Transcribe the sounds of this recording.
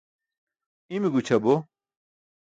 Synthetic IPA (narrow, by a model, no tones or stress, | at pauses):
imiɡut͡ɕʰɐbo